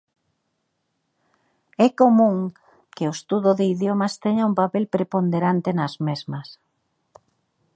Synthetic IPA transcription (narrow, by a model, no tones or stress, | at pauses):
ɛkomũŋ | kɪʊest̪uðʊðɪiðjomɐst̪ɛɲaumpapelpɾepond̪eɾant̪ɪnɐzmezmɐs